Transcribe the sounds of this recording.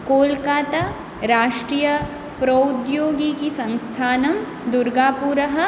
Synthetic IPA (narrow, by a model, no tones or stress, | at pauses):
koːlkaːt̪a | ɾaːʃʈɾiːjɐ | pɾɐud̪joːɡikisɐ̃ŋst̪ʰaːnɐm | d̪ʊɾɡaːpuːɾəɦɐ̆